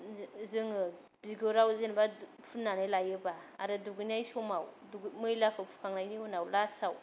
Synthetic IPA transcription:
zɯŋɯ | b̥iɡoɾawzenba | pʰunːanajlajɯbaa̰ɾɯduɡɯnajsɔmawduɡmɯjlakʰɯpʰu̥kʰaŋnajniunawlasaw

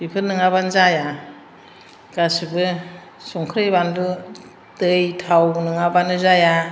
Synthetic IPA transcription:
b̥ipʰɯnːɯŋabanzaja | ɡ̥asɯbɯ | sɔŋkʰɾɯjbandu | tɯjtʰawnɯŋabanɯzaja

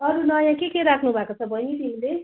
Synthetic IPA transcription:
ʌɾunʌjãkekeɾakʰnubʱakot͡sʰʌbʱʌnit̪imile

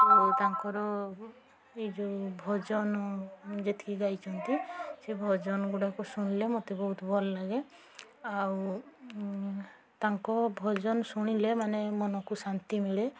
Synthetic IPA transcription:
ot̪aŋkɔɾɔ | id͡ʒubʱɔd͡ʒɔnɔd͡ʒet̪ʰi̥kiɡajt͡ʃʰɔnt̪isebʱɔd͡ʒɔnɔɡuɽakusuɽ̃ilemot̪ebɔɦut̪ɔbɔlɔlaɡe | aw | t̪aŋkɔbʱɔd͡ʒɔnɔsuɽ̃ilemanemɔnɔkusant̪imiɭe

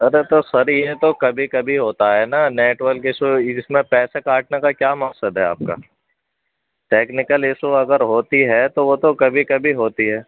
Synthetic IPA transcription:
ɐɾet̪osɐɾjet̪okɐbʱikɐbʱiɦoːt̪aɦɛnaneːʈʋəɾkɪsoɪsmẽpɛːsekaːʈ̚nekakjaːmɐqsəd̪ɦɛa̰ːp̚ka̰ː | ʈeːknɪkəlɪsoɐɡəɾɦoːt̪iɦɛt̪oʋot̪okɐbʱikɐbʱiɦoːt̪iɦɛː

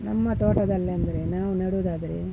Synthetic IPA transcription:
nɐmːɐʈ̪oːʈɐd̪ɐlːeɐnd̪ɐɾe̞naːʋunɐɽuːd̪aːd̪ɐɾe

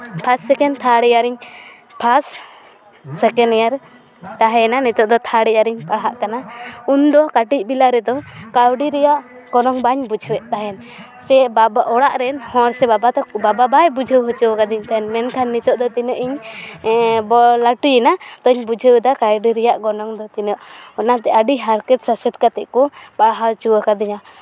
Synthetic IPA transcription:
pʰasːɛkɛnt̪ʰaɽɛjaɾiɲ | pʰasː | ɛkɛnɛjaɾ | t̪aɦɛnanit̪ɔʔ̚d̪ɔt̪ʰaɽɛaɾiɲpaɽɦaʔkanaund̪ɔkaʈic̚ˀbilaɾɛd̪ɔkawɖiɾɛjaʔ | ɡ̥ɔnɔŋbaɲbud͡ʒʱəwɛʔ̪̚t̪aɦɛn | sɛbabaʔɔɽaʔɾɛnhɔ̃ɽsɛbabat̪ɔbababajbud͡ʒʱəwɦɔt͡ʃuwkad̪iɲt̪aɛnmɛnkʰanːit̪ɔʔd̪ɔt̪inəʔiɲ | bɔlaʈujɛnat̪ɔɲbud͡ʒʱəwd̪akajɖiɾɛjaʔɡɔnɔŋd̪ɔt̪inɔʔɔnat̪ɛʔaɖiɦaɾkɛt̪sasɛt̪̚kat̪ɛʔkupaɽɦat͡ʃuwakad̪iɲa

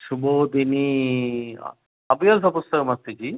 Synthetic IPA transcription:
ʃubod̪inḭ | ɐbjɐls̬ɐpust̪ɐkɐmɐst̪id͡ʒi

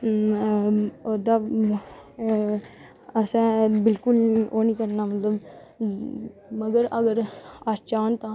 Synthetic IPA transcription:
od̪aː | əsɛ̃ːbɪlkʊloːnĩːkəɾnaːmət̪ləb | məɡəɾəɡəɾaːst͡ʃaːnt̪ãː

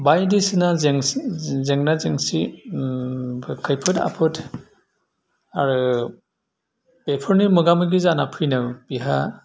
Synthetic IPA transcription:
bajdisɯnazeŋzeŋnazeŋsi | kʰɯjpʰɯta̰pʰɯtʰ | aɾɯ | b̥epʰɔɾnimɯɡamɯɡizanapʰijnɯwb̥iɦa̰

